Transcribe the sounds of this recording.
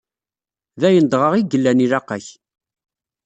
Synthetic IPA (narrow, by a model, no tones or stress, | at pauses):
ðæjənd̪ʁəʁiɡəlːænilæqæç